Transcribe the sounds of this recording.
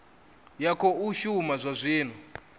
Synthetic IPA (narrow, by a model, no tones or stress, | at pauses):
jakʰɔuʃumazʷazʷiːn̤u